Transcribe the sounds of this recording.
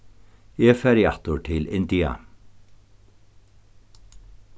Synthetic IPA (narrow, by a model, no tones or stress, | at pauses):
eːfæɾɪɑːt̪ʊʈʰɪlɪnd̪iːɑ̰